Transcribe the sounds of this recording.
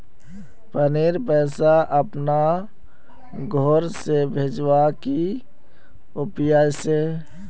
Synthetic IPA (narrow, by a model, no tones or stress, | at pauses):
pəneːɾpɛːsaʔəpna | ɡʱɔːɾsebʱeːd͡ʒwaki | ʊpjaːse